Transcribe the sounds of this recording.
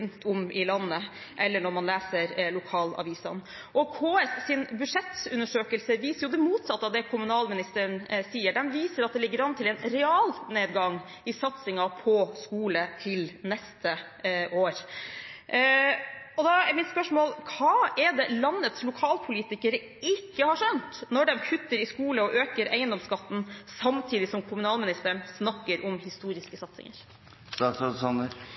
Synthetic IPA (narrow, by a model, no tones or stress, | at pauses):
nt̪ʰʊmɪlɑnːə | ʔɛlːəɳɔɾmɑnlæːsəɾlʊkʰɑːlɑ̰ʋiːsɑ̰n | ʔɔkʰoːɛssɪnbʉʂɛt̪ʉnːəʂøːkəlsəʋiːsəɾjʊd̪ɛmuːt̪sɑt̪ːəɑʋd̪ɛkʰʊmʉnɑːlmɪnɪst̪əɾənsiːəɖɛnʋiːsəɾɑt̪̚d̪ɛlɪɡːəɾɑnːət̪ʰɪlɛːnɾɛɑːlneːd̪ɡɑŋ | ɪsɑt̪sɪŋɑpʰɔskuːlət̪ʰɪlnɛst̪ʰə | ʔoːɾ | ɔd̪ɑɛmɪt̪spœʂmoːlkʰɑːɛd̪ɛlɑnːət̪slʊkʰɑːlpʰʊliːt̪ɪkəɾə | ɪkːəhɑʂœnt̪nɔɖɛmkʰʉt̪ːəɾɪskuːləɔʔøːkəɾʔæɪənd̪ɔmskɑt̪ːn̩sɑmt̪ʰiːd̪ɪsɔmkʰʊmʉnɑːlmɪnɪst̪əɳsnɑkːəɾʔɔmhɪst̪uːɾɪskəsɑt̪sɪ̰ŋə̰ɾ | ɑsɑsɑnə